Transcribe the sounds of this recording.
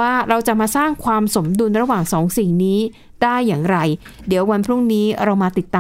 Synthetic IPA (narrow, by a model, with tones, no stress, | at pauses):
aː˥˩ɾa˧wt͡ɕa˨˩maː˧saː˥˩ŋkʰwaː˧mso˩˦mdu˧nɾa˧waː˨˩ŋsɔː˩˦ŋsi˨˩ŋniː˦˥ | daː˥˩jːaː˨˩ŋɾa˧jdi˩˦əwa˧npʰɾu˥˩ŋniː˦˥ɾa˧wmaː˧t̪i˨˩t̪ːaː˧